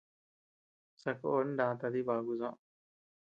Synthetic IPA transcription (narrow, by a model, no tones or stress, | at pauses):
sɐkonɖãːt̪ad̪ibaːɡuzã